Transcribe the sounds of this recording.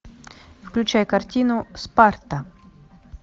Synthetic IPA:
fklʲʉt͡ɕajkɐrtʲinʊspart̪ə

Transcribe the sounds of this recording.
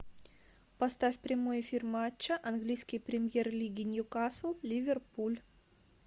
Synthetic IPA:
pɐst̪afʲpɾʲɪmojɪfʲirmat͡ɕːəʔɐnɡlʲijskʲɪjpɾʲɪmʲjerlʲiɡʲɪnʲjʊkaslˠlʲɪvʲɪrpulʲ

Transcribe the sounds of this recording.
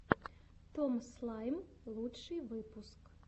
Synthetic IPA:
t̪ɔmslˠɑjmlˠutʂɨjʋɪpʊsk

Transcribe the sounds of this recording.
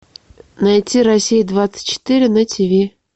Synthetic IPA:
najtʲːiɾɐsʲijd̪vat̪sə̥tʲt͡ɕːɪ̥t̪ɨɾʲɪnətʲɪbʲe

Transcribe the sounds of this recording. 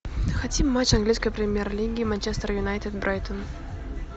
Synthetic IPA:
xɐtʲimːat͡ɕɐnɡlʲiskəjpɾʲɪmʲjerlʲiɡʲɪːmant͡ɕest̪ərjunajt̪ʲɪd̪bɾʔajt̪on

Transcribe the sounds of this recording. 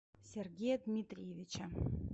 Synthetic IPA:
sʲerɡʲejad̪mʲit̪rʲjevʲit͡ɕa

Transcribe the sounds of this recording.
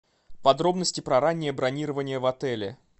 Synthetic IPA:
pɐd̪ɾo̞bnəsʲtʲɪpɾɐɾanʲːɪjəbɾɐnʲiɾəvənʲɪjəvɐt̪ɛlʲɪ̰

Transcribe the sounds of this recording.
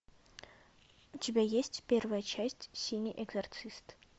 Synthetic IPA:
d͡ʒbɛjɛst̪ʰb̥ɛɾvɛt͡ʃʰɛst̪siniʔɛɡzɛɾt̪sʰist̪ʰ

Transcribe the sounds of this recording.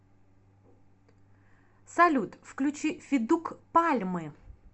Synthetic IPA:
sɐlʲut̪fklʲʉt͡ɕifʲɪd̪ukpalʲmɨ

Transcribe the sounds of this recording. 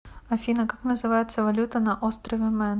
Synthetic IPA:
ɐfʲinəkaknəzɨvajɪt̪səvɐlʲut̪ənɐʔost̪ɾəvʲɛmɛn

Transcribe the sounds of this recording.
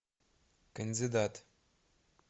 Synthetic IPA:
kɐnd̪id̪at̪

